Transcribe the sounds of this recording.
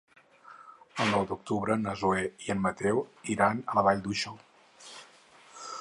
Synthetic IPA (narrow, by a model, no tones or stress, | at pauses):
əlˠnɔwd̪uk̚t̪uβɾənəzueiənmət̪ɛwiɾanələβaʎd̪uʃɔ